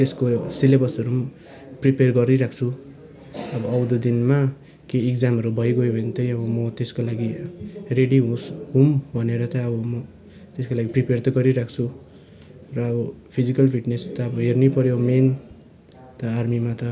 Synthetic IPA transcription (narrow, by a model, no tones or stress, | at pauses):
t̪eskosilebʌsʌɾum | priperɡʌriɾakʰt͡sʰu | ʌbʌːwd̪ud̪inma | keːkd͡zamʌɾubʌjɡojobʱʌnt̪ʌj̃ʌbʌmʌt̪eskolaɡireɽiɦũsɦumbʱʌneɾʌt̪ʌʌbʌmʌ | t̪eskolaɡipripert̪ʌɡʌɾiɾak̚ʰt͡sʰu | rʌːbʌpʰid͡zikʌlpʰiʈnest̪ʌːbʌɦernipʌɾjomen | t̪ʌarmimat̪ʌ